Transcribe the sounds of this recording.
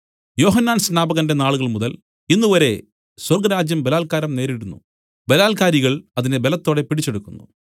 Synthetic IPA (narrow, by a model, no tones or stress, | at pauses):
jo̞ːɦɐnːaːnsnaːbɐɣɐnde̞naːɭuɣɐɭmuðɐl | inːuʋɐɾe̞ | swɐrɡɐɾaːd͡ʑjɐmbelaːlkaːɾɐmne̞ːɾiɽunːṵ | be̞laːlkaːɾiɣɐɭɐðinebelɐt̪ːo̞ːɽe̞piʈit͡ɕːe̞ɽukːunːṵ